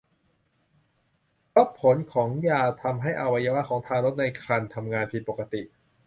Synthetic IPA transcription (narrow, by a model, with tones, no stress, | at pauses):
ɾo˦˥p̚pʰːo˩˦nkʰɔː˩˦ŋjaː˨˩t̪ʰa˧mɦa˥˩jʔa˧wa˧jaː˧wa˦˥kʰɔː˩˦ŋt̪ʰaː˧ɾo˦˥t̪̚na˧jkʰɾa˧nt̪ʰa˧mŋaː˧npʰiː˧˩pːoː˨˩ka˧t̪i˨˩ʔ